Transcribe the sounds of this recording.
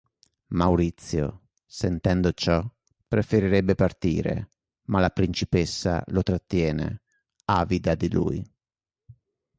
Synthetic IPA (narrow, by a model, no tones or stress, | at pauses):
mawɾit̪sːjo̰ | sent̪ɛnd̪ot͡ʃɔ | pɾefeɾiɾɛbːepart̪ḭːɾḛ | malapɾint͡ʃipesːa̰lot̪ɾat̪ːjɛːnḛ | aːvid̪ad̪ilṵːj